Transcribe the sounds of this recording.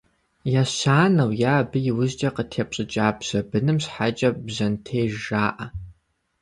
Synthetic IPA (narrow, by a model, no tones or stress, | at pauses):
jaːɕaːnɐwjaːbɨjɪwʊʑd͡ʒʼɐqətʰeːpɕʼɨt͡ʃʼaːbʒ̥ɐbɨnɨmɕħat͡ʃʼɐbʑɐntʰeːʒaːʔɐ